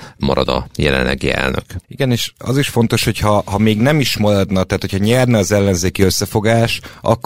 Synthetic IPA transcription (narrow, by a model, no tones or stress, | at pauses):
mɒɾɒd̪ɒ̰jɛlɛnlːɛɡiɛ̰lnøkiɡɛneːʃɒ̰ziʃfo̞nt̪o̞ʃho̞chɒhɒmeːɡnɛmiʃmɒlɒd̪nɒt̪ɛːt̪hocʰhɒɲɛrnɛɒzɛlːɛnzeːkiø̞sːɛfo̞ɡaːʃʔɒ̰kː